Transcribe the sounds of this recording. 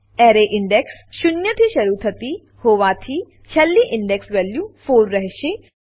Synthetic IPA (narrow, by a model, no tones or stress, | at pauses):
ɛːɾeʔɪɳɖeksʃʊnjət̪ʰiʃɐɾut̪ʰɐt̪i | hoːʋat̪ʰi | t͡ʃʰɐlːiʔɪɳɖeksʋeljũfoːlɾəɦʃe